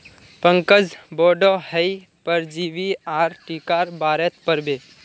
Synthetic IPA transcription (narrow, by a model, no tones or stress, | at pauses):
pə̃ŋkəd͡zboːɖɔhəj | pəɾd͡ʒiːʋiaːɾʈiːkaːɾbaːɾet̪pəɾbeː